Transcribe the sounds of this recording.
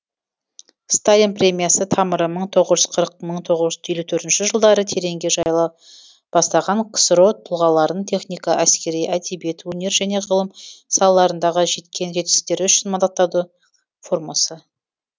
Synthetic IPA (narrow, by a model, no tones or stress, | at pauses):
st̪alʲinpɾʲe̞mʲijasət̪ʰɑməɾəməɴt̪ʰo̞ʁəʒʏz̥qʰəɾəq̚məɴt̪ʰo̞ʁəzʒʏzt̪ʰjelut̪ʰɵɾt̪ɪnʃɪʒəlˠd̪ɑɾət̪ʰe̞ɾe̞ŋɡʲe̞ʒɑjlˠɑw | b̥ɑst̪ɑʁɑɴqʰə̥sɾo̞t̪ʰʊlˠʁɑlˠɑɾənt̪ʰe̞χnijkɑʔæskʲe̞ɾijʔæd̪ebije̞t̪wɵne̞ɾʒæne̞ʁəlˠəmsɑlˠɑlˠɑɾənd̪ɑʁəʒe̞t̪kʲʰe̞nʒe̞t̪kʲɪ̥st̪e̞ɾɪʏʃɪnmɑnd̪ɑt̪ːɑd̪ə | fo̞ɾmasə